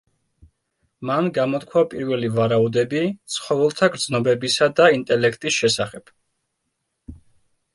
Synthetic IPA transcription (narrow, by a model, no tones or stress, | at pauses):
manɡamɔt̪kʰwapʼiɾvɛlivaɾaud̪ɛbit̪sʰχɔvɛlˠt̪ʰaɡɾd̪znɔbɛbisad̪aint̪ʼɛlɛkʰt̪ʼisʃɛsaχɛb̥